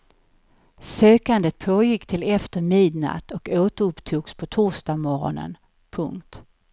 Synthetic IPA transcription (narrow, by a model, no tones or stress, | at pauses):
søːkand̪ət̪̚pʰoːjɪkːt̪ʰɪlɛft̪əɾmɪːd̪na̰t̪ʰɔkoːt̪əɵpːt̪ʰuːɡspʰɔt̪ʰuːʂd̪amɔɾɔ̰nə̰n | pʰɵŋkt̪